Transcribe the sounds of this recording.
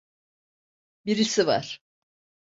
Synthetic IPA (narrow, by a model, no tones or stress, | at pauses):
biɾisiva̰ɾ̥